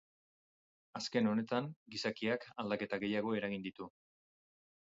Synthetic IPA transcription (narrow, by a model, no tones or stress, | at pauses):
aske̞no̞ne̞t̪aŋɡisakiakald̪ake̞t̪aɣe̞jaɣ̞o̞e̞ɾaɣind̪it̪u